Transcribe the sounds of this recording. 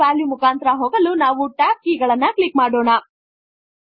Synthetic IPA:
aːljumukaːnt̪ɾɐɦoːɡɐlunaːʋuʈaːp̚kiːɡɐɭɐnːɐkɭikmaːɽoːɳɐ

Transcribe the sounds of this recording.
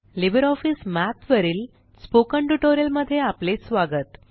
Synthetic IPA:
libəɾɔfiːsmæt̪ʋəɾiːl | spokəɳʈuʈoɾjəlməd̪ʱːjeaplesʋaɡət̪

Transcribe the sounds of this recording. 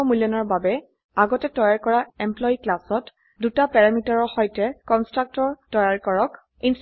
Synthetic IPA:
mulɔnɔɹbabɛ | aɡɔtɛtɔjaɹkɔɹaɛmplɔjiklasɔt | dutapɛɹamitaɹɔxɔjtɛkɔnstɹak̚tɔɹtɔjaɹkɔɹɔk | ins

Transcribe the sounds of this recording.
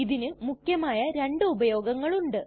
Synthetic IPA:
iðinɨmukjɐmaːjɐɾe̞ɳɖɨubɐjo̞ːɡɐŋːɐɭuɳɖɨ

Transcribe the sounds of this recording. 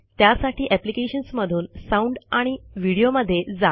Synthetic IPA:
t̪jasaʈʰiːʔæplikeɕənsməd̪ʱuːnsauɳɖaɽ̃iʋiɽijoməd̪ʱːjed͡za

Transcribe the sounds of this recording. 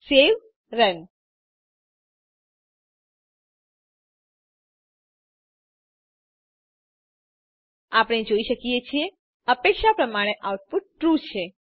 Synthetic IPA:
seʋ | ɾən | apəɽ̃ed͡ʒoiʃəkijet͡ʃʰie | əpekʃapɾəmaɽ̃eʔawʈ̚puʈ̚ːɾut͡ʃʰe

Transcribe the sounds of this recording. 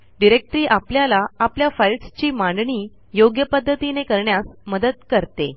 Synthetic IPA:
ɖiɾek̚ʈɾiːʔapljalaapljafajlʈst͡ɕiːmãɳɖɳiː | joɡjəpəd̪ʱːət̪inekəɾɳjasməd̪əd̪kəɾt̪e

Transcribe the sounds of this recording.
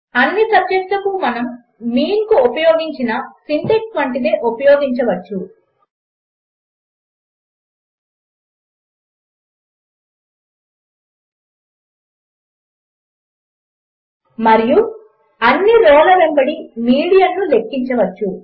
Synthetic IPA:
ɐnːitɐpːeʂʈɐkumɐnɐmː | iːŋkuopɐjoːɡiɲt͡ʃinɐsinʈek̚sʋɐɳʈid̪eːʔopɐjoːɡiɲt͡ʃɐʋɐt͡ʃːu | mɐɾiju | ɐnːiɾɔːlɐʋembɐɽimiːɽijɐnːule̞kːiɲt͡ʃɐʋɐt͡ʃːu

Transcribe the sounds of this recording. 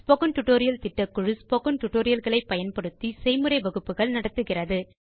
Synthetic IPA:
spokɐnʈʊʈːoːɾɪjɐlt̪ɪʈːɐkːɯɻɯspoɣɐnʈʊʈːoːɾɪjɐlɣɐɭɐɪpːɐjɐnpɐɽɯt̪ːisɛɪmɯɾɐɪʋɐɣɯpːɯɣɐɭnɐɽɐt̪ːɯɣɪrɐðɯ

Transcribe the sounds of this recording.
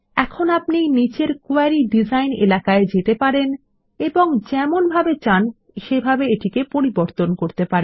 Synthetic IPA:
ɛkʰonapnijnit͡ɕeɾkoaɾiɖid͡ʑajnḛlakaed͡ʑet̪epaɾen | eboŋd͡ʑɛmonbʱabet͡ɕan | ʃebʱabeeʈikepoɾiboɾt̪onkoɾt̪epaɾe

